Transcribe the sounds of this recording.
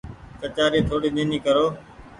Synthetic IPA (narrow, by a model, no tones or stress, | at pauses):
kət͡ʃaːɾiːt̪ʰoːɽiːɗẽːniːkəɾoː